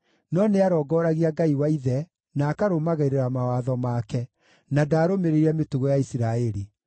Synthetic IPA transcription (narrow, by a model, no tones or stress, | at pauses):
nɔneaɾɔɡɔɾaɣiaɡaiwaiðɛ | naːkaɾomaɣaiɾeɾamawaðɔmaːkɛ | nadaːɾomeɾeiɾɛmetuɣɔjaisiɾaɛɾi